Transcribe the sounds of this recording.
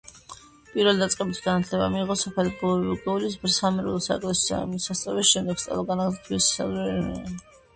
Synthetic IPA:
pʼiɾvɛlid̪at̪sʼqʼɛbit̪ʰɡanat̪ʰlɛba̰miːʁɔsapʰɛliɡɔbiɡɛulisbɾsamɛɾulˠsakʼlɛsa̰misast̪sʼavɛsʃɛmd̪ɛɡ̥st̪sʼɛ̰lˠɔɡanaɡt̪ʰiissa̰zɾɛnɛ̰a

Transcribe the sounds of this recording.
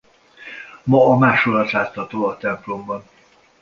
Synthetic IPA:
mɒːmaːʃolɒt̪laːt̪ʰːɒt̪oːɒt̪ɛmplumbɒn

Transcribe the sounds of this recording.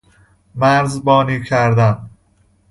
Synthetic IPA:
mæɾzbɒːniːcʰæɾd̪æm

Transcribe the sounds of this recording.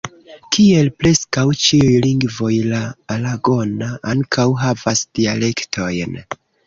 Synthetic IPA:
kʰie̞lpɾe̞skawt͡ʃiujliŋɡvo̞jlaːlaɡo̞naʔaŋkʰawɦavasd̥iale̞ktʰo̞jn

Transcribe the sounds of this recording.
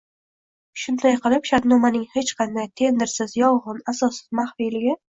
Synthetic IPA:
ʃʊnd̪ajqɨlˠɪpʃat̪nɒmanɪŋhe̞t͡ʃqʰɑnd̪ajt̪ʰe̞nd̪ɪɾsɪzjɒwʁɨnasɒsɪzmaχfijlɪɡʲɪ

